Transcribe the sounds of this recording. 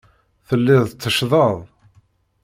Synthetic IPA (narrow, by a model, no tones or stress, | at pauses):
θəlːɪðˤt͡sːəʃðˤəðˤ